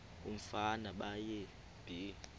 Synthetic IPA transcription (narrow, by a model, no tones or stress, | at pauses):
um̩fanaɓaje | b̥ʱi